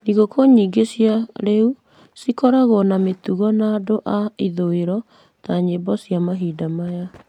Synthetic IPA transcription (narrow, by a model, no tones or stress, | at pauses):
niɣokʰoɲiːɡesjaɾeu | sikɔɾaɣɔnametuɣɔnaːdoʔaiðoeɾɔ | taɲebɔsiamaɦiːdamaja